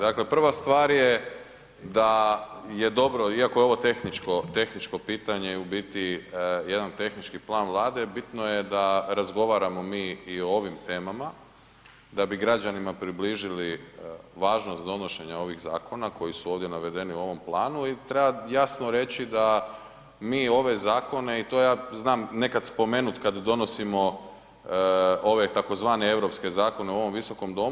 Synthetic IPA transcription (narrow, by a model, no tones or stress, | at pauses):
d̪akle̞pr̩ʋast̪ʋaːɾje | d̪aje̞d̪o̞bɾo̞iako̞jeoʋo̞t̪exnit͡ʃkot̪e̞xnit͡ʃko̞piːt̪aɲeubit̪ije̞d̪ant̪e̞xnit͡ʃkiplˠaːnʋlˠaːd̪e̞bit̪nojed̪aɾazɡo̞ʋaɾamo̞miːioo̞ʋimt̪e̞ːmama | d̪abiɡɾad͡ʑanimapɾibliːʒiliʋaːʒno̞st̪d̪o̞no̞ʃe̞ɲao̞ʋiɣza̰ːkʰo̞nako̞jisuo̞ːʋd̪jenaʋe̞d̪e̞niuo̞ʋo̞mplˠaːnuit̪ɾebajasno̞ɾe̞t͡ɕid̪a | miːo̞ʋe̞zaːko̞ne̞it̪ojaːznaːmne̞kad̪spo̞me̞nut̪kad̪d̪o̞no̞simo̞ | o̞ʋe̞t̪ako̞zʋaːne̞e̞ʋɾo̞pske̞zaːko̞ne̞uo̞ʋo̞mʋiso̞ko̞md̪o̞m